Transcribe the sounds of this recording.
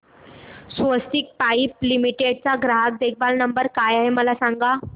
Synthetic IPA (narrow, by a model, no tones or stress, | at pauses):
sʋəst̪ik̚paip̚limiʈeɖ̚t͡saɡɾaɦak̚d̪ek̚ʰbalnəmbəɾkajaɦeməlasãŋɡa